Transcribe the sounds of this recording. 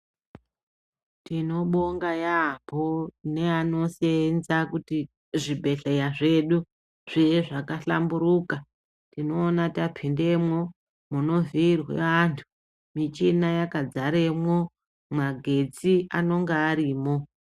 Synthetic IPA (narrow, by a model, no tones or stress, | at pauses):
tino̞ɓo̞ŋɡajapone̞ano̞senzakuti | ʐibʱe̞ɬejaʐe̞ɗu | ʐ̥ijeʐakaɬambuɾuːka | tino̞ːnatapʰinde̞mwo̞ | muno̞viirwḛʋantʰu̥ | mit͡ʃinajakad͡zaɾe̞mwo̞ | maɡʱe̞t͡siano̞ŋɡeaɾiːmo̞